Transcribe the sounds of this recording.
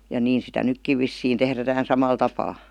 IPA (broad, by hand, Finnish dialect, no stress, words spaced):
jɑ niːn sitæ nykːiʋ ʋisːiːn tehrætæhæn sɑmɑl tɑpɑː